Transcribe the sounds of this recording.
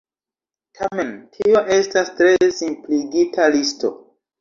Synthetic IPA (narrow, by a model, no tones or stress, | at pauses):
tʰame̞ntʰio̞ʔe̞stastɾe̞simpliɡitʰalisto̞̰